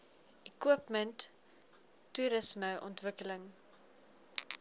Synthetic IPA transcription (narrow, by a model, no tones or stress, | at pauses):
ʔikwuəpməntː | uɾəsməʔɔ̰ntvəkələŋ